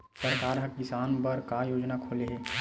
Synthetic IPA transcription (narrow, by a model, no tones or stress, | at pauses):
səɾkaːɾɦɐkkɪsaːnpɐɾkajoːd͡ʒnakʰoːleɦɛː